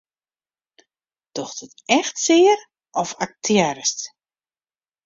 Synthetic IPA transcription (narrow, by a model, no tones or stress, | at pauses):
d̥ɔxdɔtɛxtsɪəɾ | ɔfak̚tʰjɛɾəst